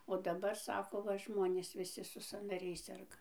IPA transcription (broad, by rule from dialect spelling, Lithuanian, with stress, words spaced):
oː dɐˈbɐr ˈsɑːkoː ˈʋɐ ˈʒmoːnʲeːs ʋʲɪˈsʲɪ sʊ sɐnɐˈrʲɛɪs ˈsʲɛrɡɐ